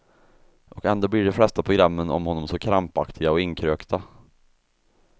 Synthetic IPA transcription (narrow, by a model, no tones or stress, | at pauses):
ʔɔkɛnd̪oːblɪɖɛflɛst̪apʰɾʊɡɾamːənɔ̰mhɔnːɔmsɔkʰɾampakt̪ʰɪɡaɔɪŋkʰɾøːkt̪ʰa